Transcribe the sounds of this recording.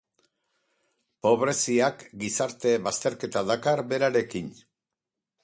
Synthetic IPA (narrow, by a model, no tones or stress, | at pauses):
po̞β̞ɾe̞siakɡisaɾt̪e̞βast̪e̞ɾke̞t̪aðakaɾbe̞ɾaɾe̞kin